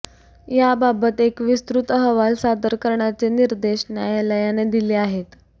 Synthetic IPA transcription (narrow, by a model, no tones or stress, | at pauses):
jababət̪ekʋist̪ɾut̪ɦəʋalsad̪əɾkəɾɳjat͡seniɾd̪eɕnjajalajaned̪ileaɦet̪